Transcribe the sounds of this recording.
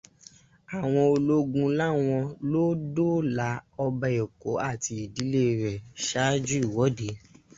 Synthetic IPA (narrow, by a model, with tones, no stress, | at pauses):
a˨w̃ɔ̃˧o˧lo˦ɡũ˧la˦w̃ɔ̃˧lo˦do˦˨la˨˦ɔ˧ba˧e˨ko˨˦a˦˨ti˧i˨di˨˦le˦˧ɾɛ˨ʃa˦d͡ʒu˦i˦˨wɔ˨˦de˨˦